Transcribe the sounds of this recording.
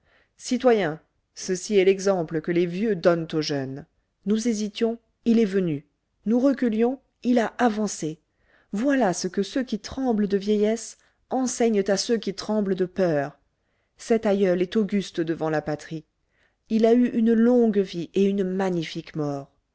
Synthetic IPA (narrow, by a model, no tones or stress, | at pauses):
sit̪wajɛ̃ | səsiɛlɛɡzɑ̃pləkəlevjød̪ɔnt̪oʒœnː | uzezit̪jɔ̃ | ilɛvəny | nuʁəkʲyljɔ̃ | ilaʔavɑ̃se | vwalasəkəsøkʲit̪χɑ̃bld̪əvjɛjɛs | ɑ̃sɛɲt̪asøkʲit̪χɑ̃bld̪əpœʁ | sɛt̪ajœlɛt̪oɡʲyst̪d̪əvɑ̃lapat̪χi | ilayʔynlɔ̃ɡvieynmaɲifikmɔʁ